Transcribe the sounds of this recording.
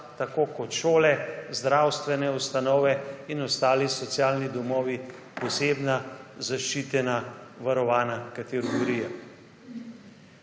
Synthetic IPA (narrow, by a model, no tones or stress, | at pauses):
t̪akoːkɔt̪ʃoːlɛzd̪ɾawst̪ʋɛnɛust̪anɔːʋɛinɔst̪aːlisɔt̪sjaːlnid̪ɔmɔːʋi | pɔseːbnazaʃt͡ʃit̪ɛnaʋaɾɔʋaːnakat̪iɾɡɔɾiːja